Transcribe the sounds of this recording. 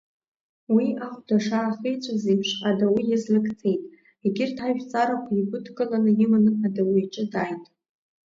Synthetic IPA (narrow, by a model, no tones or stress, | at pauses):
wiaχʷdaʂaːχejt͡ʃʷʼazejpʰʂadawijazlɨkʰʼt͡sʰe̞jtʼ | eɡʲɪrtʰaʒᶣt͡sʼaɾakʷʰaiɡʷʊdkʼɨlanɨjɪmɨnɨadawijʈ͡ʂʼɪdajtʼ